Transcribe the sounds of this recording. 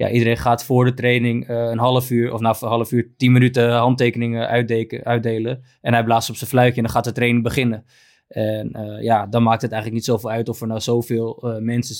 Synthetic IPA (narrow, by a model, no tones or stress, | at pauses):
ja̰ʔidəɾejnχaːtfʊːɹdətrejnɪŋəənɦɑlˠəfyːɹɔ̰fnaːəɦɑləfyːɹtinmənytəɦɑntejkənɪŋəœɥ̚dejlə | ɛnɦɛjblaːstɔpsənflœɥkjəɛndɑnχaːt̚dətrejnɪŋbəχɪnə | ʔɛnəjadɑnmaːk̚tɦətɛjxχələknitsowfɪːlˠœɥtɔfəɹnazowvɪːlˠəmɛnsə